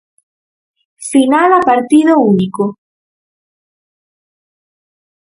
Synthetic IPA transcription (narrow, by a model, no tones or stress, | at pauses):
sinaðapaɾt̪iðouniko